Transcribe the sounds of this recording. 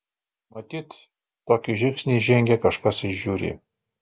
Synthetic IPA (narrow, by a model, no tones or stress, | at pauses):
mɐt̪ʲiːt̪ː | oːkʲiʒʲɪŋksʲnʲiʒʲɛŋʲɡʲɛkɐʃkɐsɪʃʒuːɾʲḭ